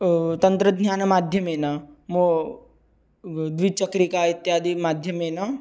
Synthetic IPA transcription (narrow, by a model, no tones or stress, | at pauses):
t̪ɐnt̪ɾəd̪ʱɲʲaːnɐmaːd̪ʱjɐmenamo | d̪ʋit͡ʃɐkɾikait̪ːjaːd̪imaːd̪ʱjɐmena